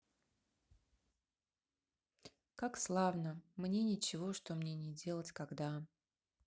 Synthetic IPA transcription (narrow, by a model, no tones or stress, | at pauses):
kakslˠavnəmnʲe̞nʲɪt͡ɕɪvo̞ʂt̪o̞mnʲenʲɪdʲe̞lˠətʲkaɡd̪a